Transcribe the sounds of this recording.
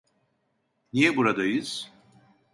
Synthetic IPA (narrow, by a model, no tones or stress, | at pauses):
nijɛbuɾad̪ajɯz̥